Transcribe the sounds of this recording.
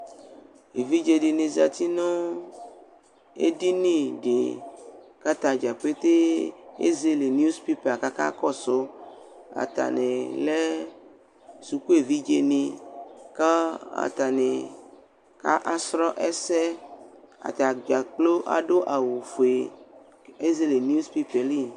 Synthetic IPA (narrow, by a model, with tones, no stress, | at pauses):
e˨vi˦d͡ʒe˨ɖe˨nẽ˨za˨t̪i˦nõ˦ | ḛ˦ɖi˦nĩ˦˨ɖḛ˨ | ka˦t̪ã˦d͡ʒa˨ɸe˦t̪e˦ḛ˦ze˦le˨n˦u˦spi˦pa˨ka˦ka̰˦kɔ˦so˦ | a̰˨t̪a̰˨nẽ˨lɛ˦ | su˨ku˦e˨vi˦d͡ʒe˦nĩ˦ka˦a̰˨t̪a˨ne˨ | ka̰˦ʔa˦sɾɔ˦ʔɛ˦sɛ˦ | a̰˨t̪a˨ɡ͡ba˨k͡plo˦ʔa̰˨ɖo˦ʔa˨wu˨fo˨e˨ | e˦ze˦le˨n˦u˦spi˦pe˨li˦˨n